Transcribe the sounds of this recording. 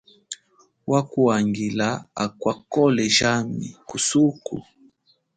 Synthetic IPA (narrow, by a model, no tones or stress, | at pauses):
wakuaŋɡilaakwakɔlɛʒamḭkusukṵ